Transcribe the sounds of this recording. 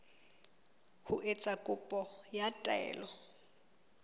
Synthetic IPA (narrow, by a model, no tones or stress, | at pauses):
hʊʔet͡sʼakʼʊpʼɔjatʼɛ̰ːlɔ